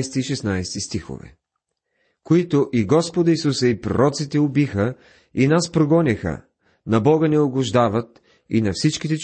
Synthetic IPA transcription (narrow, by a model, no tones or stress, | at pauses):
st̪iːʃɛsnajsɛ̥t̪ist̪ixo̰vɛ̰ | koit̪ʊʔiɡɔspod̪əisusəipɾo̰ɾɔt̪sit̪ɛʊbixə | inaspɾoɡɔnʲixə̰ | nɐbɔɡənɛʊɡʊʒd̪avət̪ | ḭnɐfsit͡ʃkit̪ɛt͡ʃ